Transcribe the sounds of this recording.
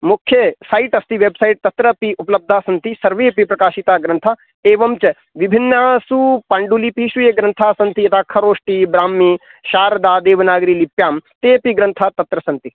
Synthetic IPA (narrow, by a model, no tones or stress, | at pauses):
mʊkʰːjɐsaːiʈɐst̪iʋeːbsaiʈ̚t̪ɐt̪ɾɐpiʊplɐb̚d̪ʱaːsɐ̃nt̪isɐɾʋeːpipɾɐkaːʃit̪aːɡɾɐ̃nt̪ʰaː | eːʋɐmt͡ʃɐ | ʋɪbʱɪnːaːsupɐɳɖulipiʃujeɡɾɐnt̪ʰaːsɐnt̪iɐt̪ʰaːkʰɐɾoːʂʈibɾaːmːiːʃaːɾd̪aːd̪eːʋnaːɡɾiːlipjaːmt̪eːpiɡɾɐ̃nt̪ʰaːt̪ɐt̪ɾɐsɐ̃nt̪i